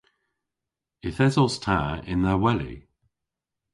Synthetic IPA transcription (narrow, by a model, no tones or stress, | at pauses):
ɪθɛzɔstʰa̰ːɪ̰̃nðəwɛlḭ